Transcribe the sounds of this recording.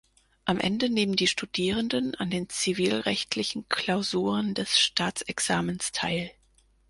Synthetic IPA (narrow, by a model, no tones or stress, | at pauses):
ʔamʔɛ̰ndəneːməndiːʃtudiːʁ̞əndəna̰ndeːnt͡siviːlʁɛçtʰlɪçn̩kʰl̥aʊzuːʁəndɛsʃtʰaːt͡sɛksaːmənstʰaɪl